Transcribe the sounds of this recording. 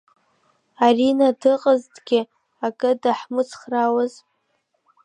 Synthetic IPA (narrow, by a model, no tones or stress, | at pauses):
arinadɨqʼəztʼɡʲɪ | akʼɨdaħmɨt͡sʰχrawaz